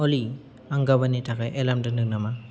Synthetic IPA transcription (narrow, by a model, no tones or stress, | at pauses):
ɔli | aŋɡabanitʰakajʔelamdɯnɯŋnama